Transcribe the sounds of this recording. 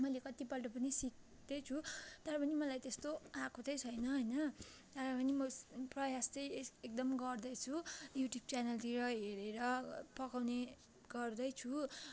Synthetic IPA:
mʌjlekʌt̪ipʌlʈʌp̬ʌnisik̚ | d̪et͡sʰut̪ʌɾʌpʌnimʌlajt̪est̪oakʰot̪ʌjt͡sʰʌjnʌɦʌjnʌ | t̪ʌɾʌpʌnimʌprʌjast͡sʌjek̚d̪ʌmɡʌrd̪ʌjt͡sʰujuʈjub̚t͡sanʌlt̪iɾʌɦeɾeɾʌpʌkawne | ɡ̥ʌrd̪ʌjt͡sʰu

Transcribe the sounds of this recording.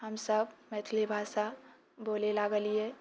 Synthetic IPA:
ɦəmsəb̚mɛːt̪ʰlebʱaːʃa | boːlelaɡəlie

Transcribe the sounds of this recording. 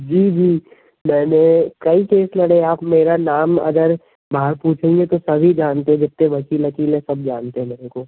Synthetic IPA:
d͡ʒiːd͡ʒiː | mɛːnekɐikeːslɐɽeaːpmeːɾanaːmɐ̰ɡəɾ | baɦəɾpuːt͡ʃʰẽːŋɡet̪osɐbʱid͡ʒaːnt̪eɦɛ̃d͡ʒɪt̪ːẽʋɐkiːlɐkiːlɛ̃sɐb̚d͡ʒaːnt̪eɦɛ̃meːnekoː

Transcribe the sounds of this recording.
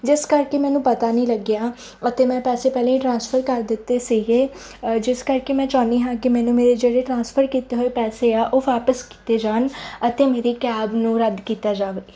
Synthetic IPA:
d͡ʒɪskəɾkeːmɛ̃ːnũːpət̪aːnĩːləɡjaː | ət̪eːmɛ̃ːpɛːseːpɛːlẽːiʈɾãːnspʰəɾkəɾd̪ɪt̪ːeːsiːɡeː | d͡ʒɪskəɾkeːmɛ̃ːt͡ʃaːniːɦãːkɪmɛ̃ːnũːmeːɾeːd͡ʒeːɽeːʈɾãːnspʰəɾkiːt̪eːɦoːepɛːseːaːʔoːʋaːpəski̥ːt̪eːd͡ʒaːnət̪eːmeːɾiːkɛːbnũːɾəd̪kiːt̪aːd͡ʒaːʋeː

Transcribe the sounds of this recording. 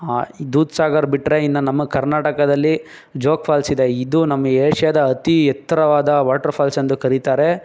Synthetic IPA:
aid̪uːd̪saːɡɐɾbiʈːɾe̞ind̪ɐnɐmːɐkɐɾnaːʈɐkɐd̪ɐlːi | d͡ʒoːkpʰaːlsid̪e̞id̪unɐmːɐeːʂɐjɐd̪ɐːt̪ijɐt̪ːɐɾɐʋaːd̪ɐʋaːʈːɐɾpʰaːlsɐnd̪ukɐɾit̪aːɾe̞

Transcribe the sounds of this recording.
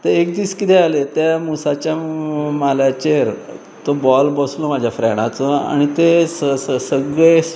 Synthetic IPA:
t̪eekd̪iːskit̪ealet̪jamusat͡ɕjamalat͡ɕeɾ | t̪obɔlbɔslomad͡ʑʱjafɾɛɽ̃at͡səa̰ɽ̃it̪e | səɡɭe

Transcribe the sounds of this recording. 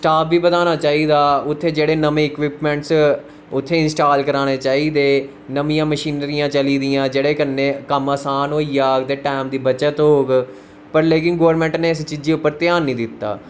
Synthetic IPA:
sʈaːpʰʋiːbəd̪aːnaːt͡ʃaːiːd̪aːʊt̪ʰːeːd͡ʒeːɽeːnəmẽːɪkʋɪpmɛ̃ɳʈs | ʊt̪ʰːeːɪnsʈaːlkəɾaːñeːt͡ʃaːiːd̪eː | nəmĩjãːməʃiːnɾijãːt͡ʃəliːd̪ɪjãːd͡ʒeːɽeːkənːeːkəmaːsaːnɦoːiːjaːɡd̪eːʈɛːmd̪iːbət͡ʃət̪ɦoːɡ | pəɾleːkɪnɡoːəɾmɛ̃ːɳʈneːɪst͡ʃiːd͡ʒeːʊpːəɾt̪jaːnːĩːd̪ɪt̪ːa̰ː

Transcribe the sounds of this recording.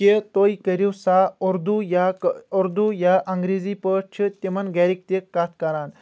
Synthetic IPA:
ket̪oikəɾiwsaoɾd̪ujakɔɾd̪ujaʔɐŋɡɾed͡zipəʈt͡ʃʰit̪emənɡɛɾik̚t̪ekːat̪ʰkaɾan

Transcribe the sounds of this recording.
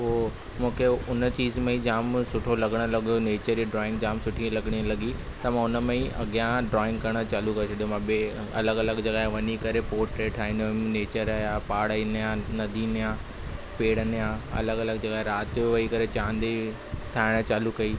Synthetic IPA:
oː | mũːkʰeʊnət͡ɕiːzmẽĩd͡ʑaːmsʊʈʰolɐɡəɽ̃lɐɠ̪oneːt͡ɕəɾd͡ʑiɖɾɔːɪ̃ŋɡd͡ʑaːmsʊʈʰĩlɐɠɽ̃ilɐɠi | t̪ɐmãːʊnəmẽĩʔɐ̰ɡjãɖɾɔːɪ̃ŋɡkɐɾəɽ̃ət͡ɕaːlukɐosʰɐɗijomãbe | ɐ̰ləɡɐləɡd͡ʑeɡaːɦeʋɐɲikɐɾepoːɾʈɾeːʈʰaːɦĩːnd̪omneːt͡ɕəɾaːjapaːɽəinjãnɐd̪ʱiːnjã | peːɽ̤ənjãɐ̰ləɡɐləɡd͡ʑeɠaːeɾaːt̪ʋɐikɐɾet͡ɕãːnd̪i | ʈʰaːɪɽ̃ət͡ɕaːlukɐi

